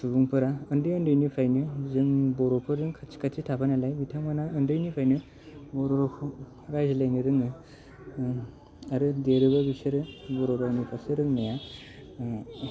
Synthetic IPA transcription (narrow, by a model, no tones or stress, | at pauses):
subuŋpʰɯɾaɯndɯjɯndɯjnipʰajnɯzɯŋbɔɾɔpʰɯɾɾɯŋkʰat͡ʃʰi̥kʰat͡ʃʰitʰapʰanalajbitʰaŋɡanaɯndɯjnipʰajnɯ | bɔɾɔɾɔkʰ | ɾajzlajnɯɾɯŋɯ | aɾɯdeɾɯbabisɯɾɯbɔɾɔɾawnipʰasɯɾɯŋnaja